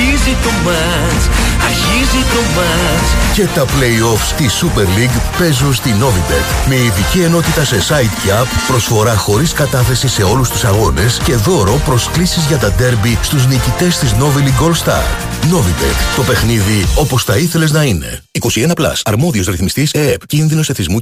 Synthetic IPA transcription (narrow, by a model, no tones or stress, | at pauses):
izit̪omɐ | sɐɾçizit̪omɐ | sce̞t̪ɐple̞io̞fst̪isupe̞ɾliɡpe̞zunst̪ino̞vib̪ḛkmeiðicie̞no̞t̪it̪ɐse̞sɐit̪cɐpːɾo̞sfo̞ɾɐxo̞ɾiskɐt̪ɐθe̞sise̞o̞lust̪usɐɣo̞ne̞sce̞ðo̞ɾo̞pɾo̞sklisizʝɐt̪ɐd̪e̞ɾbist̪uznicit̪e̞st̪izno̞viliɡo̞lst̪ɐ̰ɾ | no̞vibḛkt̪o̞pe̞xniðio̞po̞sθɐiθe̞le̞znɐine̞̰ | iko̞sienɐplɐ̰sɐɾmo̞ðio̞zɾiθmist̪isepcinðino̞seθizmu